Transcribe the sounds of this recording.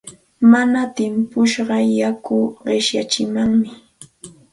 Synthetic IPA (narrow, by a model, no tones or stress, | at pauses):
manat̪ɪmpʊʃɢɑjakʊɢɪʃjat͡ʃɪmaŋmɪ